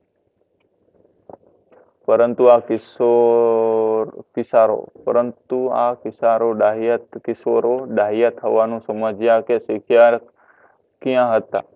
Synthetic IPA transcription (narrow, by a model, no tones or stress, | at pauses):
pəɾənt̪uakɪso | kɪsaɾo̰pə̰ɾənt̪ua̰kɪsaːɾoɗaɦijət̪kɪso̰ɾoɗaːɦijat̪ʰɦəʋanũsəməd͡ʒjakesɪkʰjaɾ | kijãɦət̪a̰